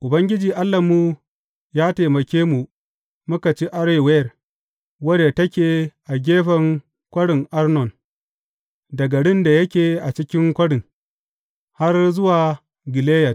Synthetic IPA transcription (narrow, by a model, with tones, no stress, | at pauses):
ʔʊ˨bɐ˦ŋɡʲɪ˦d͡ʒiː˨ʔa˦lːɐ˨mːu˦ | jaː˦teː˨mɐ˨kʲeː˦mu˨ | mʊ˦ka˨t͡ʃi˦ʔa˦ɽje˨wɛ˦˨r | wɐ˦de˨tɐ˦kʲeː˨ʔa˨ɡʲeː˦ɸɐ˨ŋ | kʷɐ˦ɽɪ˨ŋʔa˦rnɔ˨n | dɐ˨ɡɐ˨ɽɪ˦nda˨jɐ˦kʲeː˨ʔa˨t͡ʃɪ˦kʲɪ˦ŋkʷɐ˦ɽɪ˨ŋ | ha˦rzʊ˦waː˨ | ɡʲɪ˨leː˦jɐ˨t